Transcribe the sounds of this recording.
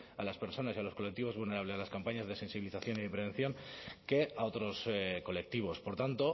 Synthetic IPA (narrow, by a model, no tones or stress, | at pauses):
alaspe̞ɾso̞nasialo̞sko̞lek̚t̪iβo̞zβulne̞ɾaβ̞le̞salaskampaɲazðe̞se̞nsiβiliθaθjo̞niðepɾe̞nθjo̞ŋke̞ao̞t̪ɾo̞sko̞le̞k̚t̪iβ̞o̞spo̞ɾt̪ant̪o̞